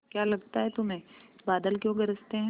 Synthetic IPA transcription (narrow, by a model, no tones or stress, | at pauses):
kjaːlɐɡ̚t̪aɦɛt̪ʊmɦẽːbaːd̪əlkjõɡɐɾəst̪eɦɛ̃